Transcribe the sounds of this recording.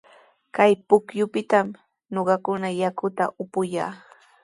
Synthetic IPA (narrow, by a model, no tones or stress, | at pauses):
kajpʊkjʊpɪt̪am | noɢɑkʊnajakʊt̪aʔʊpʊjaː